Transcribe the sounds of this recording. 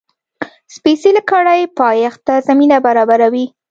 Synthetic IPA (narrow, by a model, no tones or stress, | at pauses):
spesiləkɑɽajpɑjaxt̪azaminabaɾɑbaɾawi